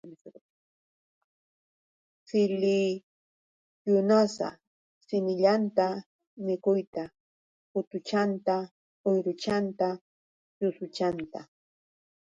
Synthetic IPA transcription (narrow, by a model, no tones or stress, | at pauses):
sɪli | jʊnasa̰ | sɪnɪʎant̪a | mɪkʊjt̪a | pʊt̪ʊt͡ʃant̪a | ojɾʊt͡ʃant̪a | jʊsʊt͡ʃant̪a